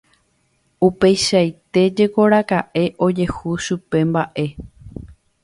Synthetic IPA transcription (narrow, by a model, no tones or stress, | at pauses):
upe̞jʃajt̪e̞d͡ʒe̞ko̞ɾakaʔe̞ʔod͡ʒe̞huʃupe̞mbaʔe̞